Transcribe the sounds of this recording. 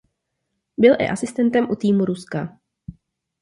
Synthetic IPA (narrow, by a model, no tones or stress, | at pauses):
bɪlʔɪ̰ʔasɪst̪ɛnt̪ɛmʔut̪iːmuɾuska